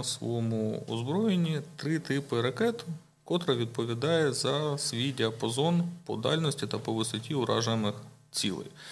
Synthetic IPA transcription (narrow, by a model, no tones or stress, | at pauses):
sʋɔ̰ɔmʊɔ̰zbɾɔjenʲit̪ɾɪt̪ɪpɪɾɐkɛt̪ | kɔt̪ɾɐʋʲid̪̚pɔʋʲid̪ɑjɛzɐsʲʋʲidʲɐpɐzɔnpɔ̰d̪ɑlʲnɔsʲtʲit̪ɐpɔʋɪsɔtʲiʊɾʔɑ̰ʒɐjmɪx | t͡sʲḭlˠɪ̰j